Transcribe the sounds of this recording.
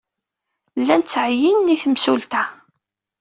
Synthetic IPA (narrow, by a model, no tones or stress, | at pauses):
lːænt͡sːʕəjinːiθəmsult̪æ